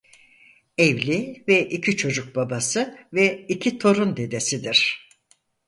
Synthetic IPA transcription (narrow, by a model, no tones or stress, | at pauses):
evlʲivɛʔicʰit͡ʃʰo̞d͡ʒuk̚babasɯvɛicʰit̪ʰo̞ɾund̪e̞d̪e̞sid̪iɾ̥